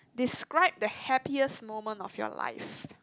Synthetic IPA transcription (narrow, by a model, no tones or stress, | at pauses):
diskɹaɪb̚dəhɛpiəsmõmə̃ntɔ̰fjɔ̰la̰ɪf